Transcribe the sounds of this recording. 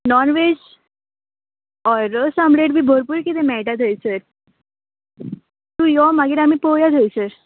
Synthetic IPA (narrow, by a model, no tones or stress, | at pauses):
nɔnʋed͡ʑ | ɔɾəsãmbɭeʈbʱibʱoɾpuɾkit̪emɛʈat̪ʰəjsəɾ | t̪ujɔmaɡiɾamipojat̪ʰəjsəɾ